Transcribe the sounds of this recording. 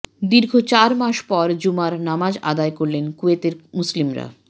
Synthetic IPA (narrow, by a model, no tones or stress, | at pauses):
d̪iɾɡʱot͡ɕaɾmaʃpɔɾd͡ʑumaɾnamad͡ʑad̪aekoɾlenkuet̪eɾmuslimɾa̰